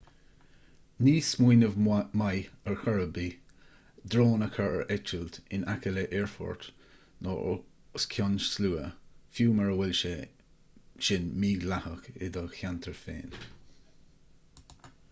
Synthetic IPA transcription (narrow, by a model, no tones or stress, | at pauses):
niːsmujnəvmajəɹxɔɹəbi | d̪ɾoːnəkʰəɹə̰ɹʔɛt͡ʃəlt̪ɪnakələʔɛɹfɔ̰ɹt̪ | nɔ̰ | skʰjɔnʃsluːəfjuːməɹəwɪlʃɛ | ʃɪnmiːɡlahəkɪ̰d̪əxant̪ʰəɹfḛːn